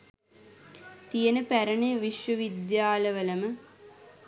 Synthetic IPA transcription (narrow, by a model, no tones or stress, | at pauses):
t̪ijənəpæɾəɳeʋiʃʋəʋid̪jaːləʋələmə